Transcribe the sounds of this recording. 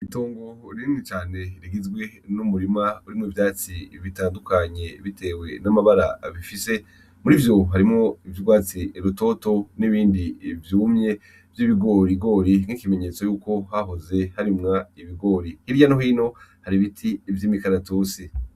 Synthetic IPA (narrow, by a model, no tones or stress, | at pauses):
itoːŋɡoɾiːnit͡ʃaːne̞iɾiɡizɡwe̞numuɾimauɾimŋivjaːt͡siβitaːndukaɲe̞βitʰe̞ːwe̞namaβaɾaβifise̞ | muɾivjo̞ɦaɾimŋoivjuɡwaːt͡siɾuto̞ːto̞niβiːndivjuːmɲe̞ | vjiβiɡo̞ːɾiɡo̞ːɾiŋ̥ikime̞ɲe̞t͡so̞juːko̞haɦoze̞haɾimŋaiβiɡo̞ːɾihiɾjanoɦiːno̞haɾiβitʰivjiːmikaɾatoːsi